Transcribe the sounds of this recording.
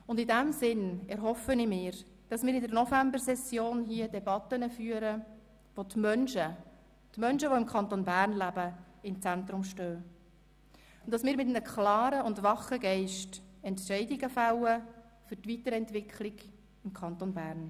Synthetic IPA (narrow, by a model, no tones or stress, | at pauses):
ʊndɪdæmsɪnɛɾɦɔfənimɪːɾ | d̥ɑsmɪːɾɪndəɾnɔfæmbəɾsɛsjoːnɦiədɛbɑt̪ənəfyːəɾə | ʋot̪mœnʃə | tmœnʃəʋoɪmkʰχɑnt̪onbærnlæbə | ɪmt͡sænt̪ɾʊmʃtøː | ʊnd̥ɑsmɪːɾmɪtnəkχlɑːɾəʊndʋɑχəɡɛɪʃtɛntʃɛɪdɪɡəfælə | fʏɾtvitəɾɛntʋɪkʰlɪɡ | ɪmkʰχɑnt̪onbæːɾn